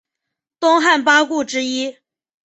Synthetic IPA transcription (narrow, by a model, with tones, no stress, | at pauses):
t̪ʊ˥ŋxa˥˩npa˥ku˥˩ʈ͡ʂɻ̩˥i˥